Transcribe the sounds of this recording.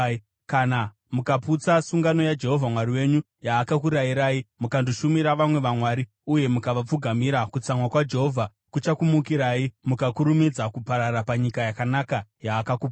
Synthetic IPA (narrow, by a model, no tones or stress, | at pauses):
kana | mukaput͡sasuŋɡano̞jad͡ʒe̞ɦo̞vʱamwaɾiwe̞ɲu | jaːkak̬uɾaiɾaːimukanduʃumiɾaʋamwe̞ʋamwaːɾi | uje̞mukaʋap͡fuɡʱamiɾakut͡samwakwad͡ʒe̞ɦo̞vʱa | kut͡ʃakumukiɾaːimukakuɾumid͡zakupaɾaɾapaɲikajakanakajaːkakup